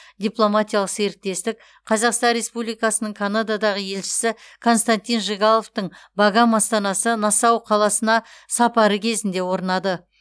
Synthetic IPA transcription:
d̪ʲijplˠo̞mat̪ʲijɑlˠəqse̞ɾɪk̚t̪e̞st̪ɪk̚ | qʰɑzɑqst̪ɑnɾʲe̞spublijkɑsənəɴkʰanad̪ad̪ɑʁəje̞lʃɪ̥sɪ | kʰo̞nst̪ant̪ijnʒeɡɑlˠoft̪əɴbɑɡɑmɑst̪ɑnɑsənɑsɑwqʰɑlˠɑsənɑsɑpɑɾəkʲʰe̞zɪnd̪e̞wo̞ɾənɑd̪ə

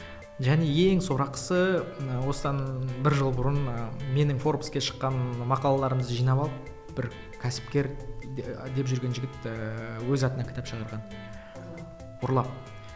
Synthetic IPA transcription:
ʒæne̞e̞ŋso̞ɾɑqə̥səwo̞səd̪ɑnbɪɾʒəlˠbʊɾənme̞nɪŋfo̞rpskʲeʃə̥qːɑnmɑqɑlˠɑlˠɑɾəməzəʒijnɑpɑlˠəp | b̥ɪɾ | kʲʰæsɪ̥p̚kʲe̞ɾ | d̪e̞pʒʏɾɡʲe̞nʒɪɡʲɪt̪wɵzɑt̪ənɑkʲɪ̥t̪æpʃəʁɑɾʁɑn | wʊɾlˠɑp̚

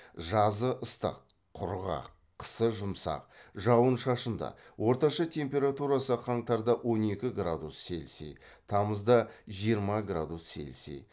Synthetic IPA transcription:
ʒɑzəʔəst̪ə̰qʰː | ʊ̰ɾʁɑ̰qʰːə̥səʒʊmsɑ̰qʒɑwənʃɑʃənd̪ɑ̰wʔo̞ɾt̪ɑʃɑt̪ʲʰe̞mpʲe̞ɾat̪uɾɑsəqʰɑɴt̪ɑɾd̪ɑwʔo̞ne̞kʲɪɡrad̪usːʲe̞̰lsḛt̪ʰɑməzd̪ɑʒijəɾmɑɡɾa̰d̪usːʲe̞̰lsḛ

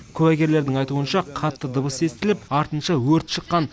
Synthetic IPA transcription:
kʲʰɵwæɡʲe̞ɾle̞ɾd̪ɪŋɑjt̪uənʃɑqʰɑt̪ːəd̪ʊbəse̞st̪ɪlɪpɑɾt̪ənʃɑwɵɾt̪ʃəqːɑn

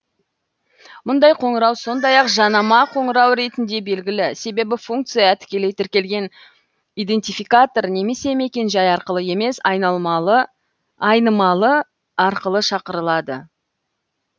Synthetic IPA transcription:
mʊnd̪ɑjqʰo̞ɴəɾɑwso̞nd̪ɑjɑqʒɑnɑmɑqʰo̞ɴəɾɑwɾe̞t̪ɪnd̪e̞be̞lɡʲɪlɪse̞be̞bɪfuŋk̚t̪sɨjɑt̪ʰɪ̥kʲe̞le̞jt̪ʰɪɾkʲe̞lɡʲe̞n | ijd̪e̞nt̪ijfijkat̪o̞ɾne̞me̞se̞me̞kʲe̞nʒɑjɑɾqəlˠəe̞me̞sɑjnɑlˠmɑlˠə | ɑjnəmɑlˠə | ɑɾqəlˠəʃɑqəɾəlˠɑd̪ə̰

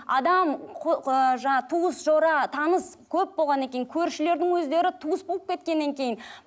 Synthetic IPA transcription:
ɑ̰d̪ɑmqʰʒɑɴɑt̪ʰuəsʒo̞ɾɑt̪ʰɑnəs | kʲʰɵp̚bo̞lˠʁɑnekʲejɪŋkʲʰɵɾʃɪle̞ɾd̪ɪŋwɵzd̪e̞ɾɪt̪ʰuəsboəp̚kʲe̞t̪̚kʲe̞nːe̞ŋkʲʰe̞jɪn

